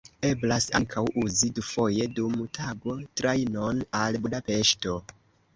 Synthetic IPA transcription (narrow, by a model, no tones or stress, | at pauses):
e̞blasa̰ŋkʰawuzidufo̞je̞dumtʰaɡo̞tɾajno̞nalbudape̞ʃto̞